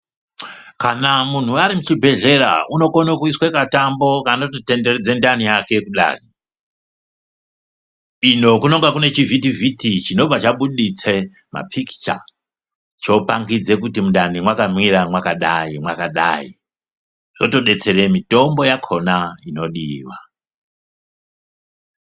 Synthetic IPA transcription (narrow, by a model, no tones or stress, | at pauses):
kanamun̤uaɾimut͡ʃibʱe̞ɮe̞ɾa̰uno̞ko̞nokuiswekatambo̞kanototendered͡zendanijake̞kuɗa̰ːri | ino̞kuno̞ŋɡakune̞t͡ʃivit̬ivitit͡ʃino̞b͡vat͡ʃaɓuɗit͡se | ma̰pʰiki̥t͡ʃa̰ | t͡ʃo̞paŋɡid͡ze̞kutimundanimwakanwiɾamwakaɗaimwakaɗa̰ḭ | ʐ̥oto̞ɗe̞t͡se̞ɾe̞mito̞mbo̞jakʰo̞naino̞ɗiwa